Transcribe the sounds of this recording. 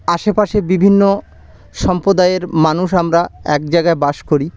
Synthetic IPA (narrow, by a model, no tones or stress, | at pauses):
aʃepaʃebibʱinːo | ʃɔmpɾod̪aeɾmanuʃamɾaɛk̚d͡ʑajɡaebaʃkoɾi